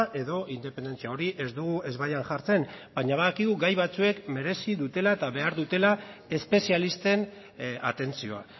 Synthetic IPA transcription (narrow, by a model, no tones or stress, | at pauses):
ʔe̞ðo̞ʔind̪e̞pe̞nd̪e̞nt͡siao̞ɾiʔe̞zd̪uɣue̞zβajanʝaɾt͡se̞nbaɲaβ̞aðakiɣuɣajβat͡sue̞kme̞ɾe̞siðut̪e̞laet̪aβe̞aɾðut̪e̞lae̞spe̞sialist̪e̞n | a̰t̪e̞nt͡sio̞a̰